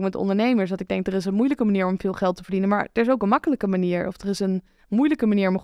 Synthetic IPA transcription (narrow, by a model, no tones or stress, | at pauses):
kmɛtdəɔ̰ndəɹnejməɹsdɑtɪɡ̚dɛŋk̚dərɪs̬ənmujləkəmaniːɹɔmvɪːlˠχɛlˠtəvəɹdinənma̰ːɹdəɹɪs̬owkənmɑkələkəmaniːɹɔ̰fdərɪsən | mujləkəmaniːɹɔm